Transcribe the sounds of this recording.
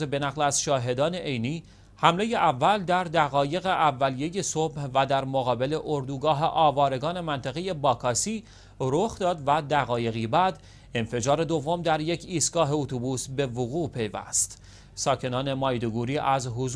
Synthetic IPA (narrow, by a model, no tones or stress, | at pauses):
be̞næɣlæzʃɒːɦe̞d̪ɒːne̞ʔejniː | hæmle̞je̞ʔævːæld̪æɾd̪æɣɒːje̞ɣe̞ʔævːælije̞je̞sobhvæd̪æɾmoɣɒːbe̞le̞ʔoɾd̪uːɡɒːɦe̞ʔɒːvɒːɾe̞ɡɒːne̞mænt̪ʰæɣe̞je̞bɒːkʰɒsiː | ɾoxd̪ɒːd̪væd̪æɣɒːje̞ɣiːbæːd̪ | enfe̞d͡ʒɒːɾe̞d̪o̞vːo̞md̪æɾje̞cʰiːst̪̚ɡ̥ɒːɦe̞ot̪ʰubuːsbe̞voɣuːpʰe̞jvæ̰st̪ | sɒːcʰe̞nɒːne̞mɒːjd̪oɡuːɾiːʔæzɦoz